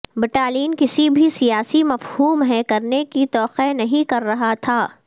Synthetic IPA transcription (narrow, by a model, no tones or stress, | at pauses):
bɪʈaːliːnkɪsibʱisijaːsimɐfhuːmɦɛ̃kɐɾnekit̪ɔːqenɐɦĩkɐɾːɐɦat̪ʰaː